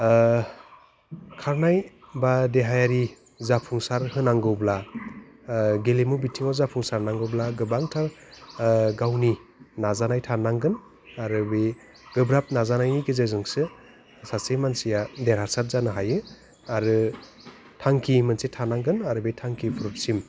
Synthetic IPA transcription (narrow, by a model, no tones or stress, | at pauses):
kʰaɾnajbadeɦajaɾi | zapʰuŋsaɾhɯnaŋɡɯwbla | ɡelemubitʰiŋɔzapʰuŋsaɾnaŋɡɯwblaɡɯbaŋtʰaɾ | ɡawninazanajtʰaɾnaŋɡɯn | aɾɯbe | ɡ̥ɯbɾap̚nazanajniɡɯzezɯŋsɯ | sasemansijadeɾhaɾsat̚zanɯɦajɯ | aɾɯ | tʰaŋkʰimɯnsetʰaɾnaŋɡɯnaɾɯbetʰaŋkʰibʰuɾɔt̚sim